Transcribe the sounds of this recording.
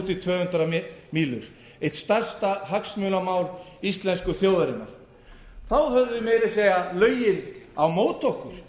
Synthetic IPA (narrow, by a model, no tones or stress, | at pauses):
t̪it̪ʰvœːhʏnt̪ɾamiːlʏ̰ɾ̥ | ejt̪st̪arst̪aɦaksmœːlamaːwɾist̪lɛnskʏθjoːwðaɾɪnːa̰ɾ̥ | θawɦœðʏvʏmeːjɾɪseːjɣalœːɥjɪnawmoːwt̪ʰowhkʏɾ̥